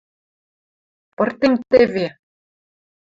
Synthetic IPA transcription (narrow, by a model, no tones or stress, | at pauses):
pɤ̆rt̪emt̪ɘ̆vʲe